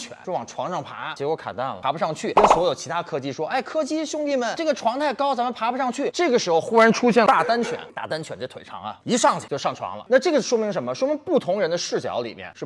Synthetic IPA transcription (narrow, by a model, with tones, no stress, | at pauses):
nt͡ɕʰɥɛ̰˨˩˦wwɑ˨˩ŋʈ͡ʂʰwɑ˧˥ŋʂɑ˥˩ŋpʰa̰˧˥t͡ɕjkwɔ˧˥kʰa̰˨˩nt̪a˥˩nə̰˩a˧˥pu˧ʂɑ˥˧ŋt͡ɕʰy˥˩na˥˩swɔ˧˥jo˨˩ʊt͡ɕʰi˧˥t̪ʰa˥ə˧kʰɤ˥t͡ɕi˥˩ʂwɔ˥ʔe˥˩ɪkʰɤ˥t͡ɕi˥ɕjʊ˥ŋt̪i˥˩mə˨˩nʈ͡ʂɤ˥˩ɡə˩ʈ͡ʂʰwɑ˧˥ŋt̪ʰa˥˩ɪkɑ˥ʊt͡sa˧˥mə˧pʰa˧˥pu˧ʂɑ˥˧ŋt͡ɕʰy˥˩ʈ͡ʂɤ˥˩ɡə˩ʂɻ̩˧˥xo˧ʊxu˥ɻa˧˥nʈ͡ʂʰu˥ɕjɛ˥˩nt̪a˥˩t̪a˥nt͡ɕʰɥɛ̰˨˩˦nt̪a̰˥˩t̪a˥nt͡ɕʰɥɛ˨˩nt͡ɕa˥˩t̪ʰe˨˩ɪʈ͡ʂʰɑ̰˧˥ŋɐ̰˧i˧˥ʂɑ˥˩ŋt͡ɕt͡ɕo˥˧ʊʂɑ˥˩ŋʈ͡ʂʰwɑ̰˧˥ŋlə̰˧na˥˧ʈ͡ʂɤ˥˩ɡə˩ʂwɔ˥mi˧˥ŋʂ̬ə˧˥nmə˧ʂwɔ˥mi˧˥ŋpu˥˩t̪ʰʊ˧˥ŋɻə˧˥nd̪ə˧ʂɻ̩˥˩t͡ɕjɑ̰˧˥ʊlḭ˨˩mjɛ̰˥˧nʂɻ̩˥˩